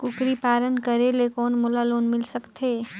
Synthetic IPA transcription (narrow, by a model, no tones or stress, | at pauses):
kʊkɾipaːɾənkəɾelekɔːnmʊlaloːnmɪlsəkt̪ʰeː